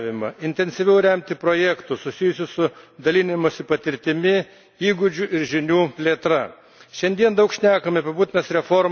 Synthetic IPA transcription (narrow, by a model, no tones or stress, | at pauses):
ʋʲɪmɐɪnʲt̪ʲɛnʲsʲɪʋʲɛʊɾʲɛmʲt̪ʲɪpɾoːjɛkt̪ʊsʊsʲijʊsʲʊsʊd̪ɐlʲinʲɪmoːsʲɪpɐt̪ʲɪɾʲt̪ʲɪmʲɪ | iːɡʊd͡ʒʲʊʔɪɾʒʲɪnʲuːpʲlʲieːt̪ɾɐ | ʃʲɛnʲd̪ʲiɛnd̪ɐʊkʃʲnʲæːkɐmʲɪpɐbuːt̪ʲɪnɐsɾʲɛfoɾm